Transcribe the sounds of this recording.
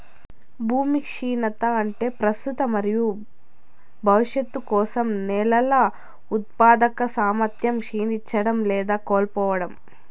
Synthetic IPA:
bʱuːmikʂiːnɐt̪ɐɐɳʈe̞ːpɾɐst̪ut̪ɐmɐɾiju | bʱɐʋiʂjɐt̪ːukɔːsɐmnɛːlɐlɐ | ut̪̚paːd̪ɐkɐsaːmɐɾt̪ʰjɐmkʂiːnit͡ʃːɐɽɐmlɛːd̪aːkoːlpɔːʋɐɽɐm

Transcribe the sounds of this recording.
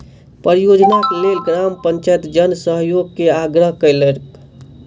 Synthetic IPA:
pɾjod͡ʒnaklelɡɾampəɲt͡ʃajt̪d͡ʒənsəɦjoɡ̚keaɡɾəɦkəjleɾk

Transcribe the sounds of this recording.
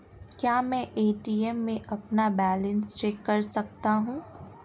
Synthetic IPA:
kjaːmɛ̃ːʔeːʈiːɛmːẽʔɐpnabɛːlə̃nst͡ʃeːkːɐɾsɐk̚t̪aɦũː

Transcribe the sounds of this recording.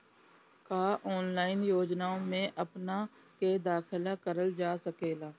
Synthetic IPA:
kaːʔɔːnlaːɪnjoːd͡ʒnaːõmẽʔəpna | ked̪aːkʰɪlakəɾəld͡ʒaːsəkeːlaː

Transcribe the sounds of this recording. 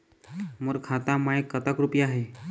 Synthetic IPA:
muɾkʰat̪amajekːət̪akɾupjaɦe

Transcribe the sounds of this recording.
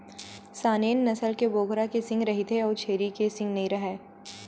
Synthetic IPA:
saːneːnːɐsəlkeboːɡʱɾakesɪ̃ŋɡɾɐɦit̪ʰeɔːɾt͡ʃʰeːɾikesɪ̃ŋɡnɐɦĩɾɐɦeː

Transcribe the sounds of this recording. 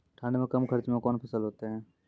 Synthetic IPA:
ʈʰãːɳɖemẽkɐmkʰəɾt͡ʃmẽkɔːnpʰəsəlɦoːt̪eɦɛ̃ː

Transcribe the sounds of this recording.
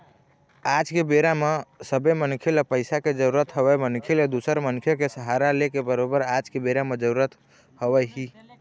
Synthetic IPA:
ad͡ʒkebeɾamesəbemənkʰilpəɪsaked͡ʒəɾuɾət̪ɦəbɛmənkʰiled̪usəɾmənkʰjokesəɦaɾalekebəɾobəɾad͡ʒkebeɾamed͡ʒəɾuɾət̪ | həbɛɦi

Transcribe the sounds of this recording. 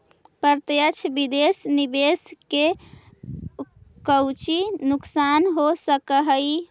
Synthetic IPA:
pəɾt̪jət͡ʃʰbid̪esnibeske | kəwt͡ʃinuksanɦosəkəɦəj

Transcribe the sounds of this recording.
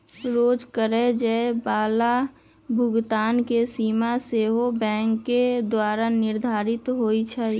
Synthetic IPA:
ɾoːd͡ʒkəɾed͡ʒɛbaːla | bʱʊɡt̪aːnkesiːmaseːɦobɛ̃ːŋkːed̪waːɾanɪɾd̪ʱaːɾɪt̪ɦoːit͡ʃʰɛ

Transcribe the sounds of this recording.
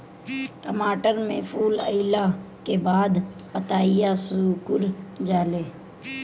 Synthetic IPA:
ʈəmaːʈəɾmẽpʰuːləɪlakebaːd̪pət̪aːijasuːkʊɾd͡ʒaːleː

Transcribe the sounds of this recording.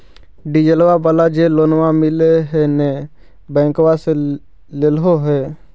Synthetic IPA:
ɖid͡ʒəlʋabəlad͡ʒeloːnʋamɪleɦɛnɛ | bɛ̃ːŋkwase | leloɦɛː

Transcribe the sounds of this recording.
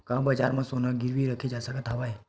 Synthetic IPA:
kãbəd͡ʒa̰ɾmãsonaɡɪɾʋiɾəkʰed͡ʒasəkət̪ʰaʋaɦe

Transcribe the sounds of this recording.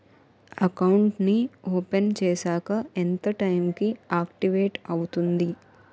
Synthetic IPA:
ɐkɐwɳʈnioːpent͡ʃɛːsaːkɐent̪ɐʈɐjmkiaːkʈiʋeːʈɐwut̪und̪i

